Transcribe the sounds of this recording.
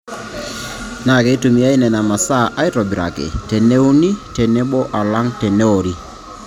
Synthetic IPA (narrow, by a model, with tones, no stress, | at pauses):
na˨ke˨i˦tu˨mi˨a˦i˦nɛ˨na˨ma˨sa˦ʔa˦ɪ˦tɔ˨bi˨ɾa̰˨kɪ̰˨tɛ˨ne˦u˦ni˦tɛ˨nɛ˦bɔ˦ʔa˨la˦ŋtɛ˨ne˦o˨ɾi˦